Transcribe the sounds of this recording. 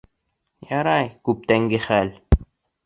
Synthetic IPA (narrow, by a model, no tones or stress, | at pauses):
jɑɾɑjkup̚t̪æŋɡɪxæl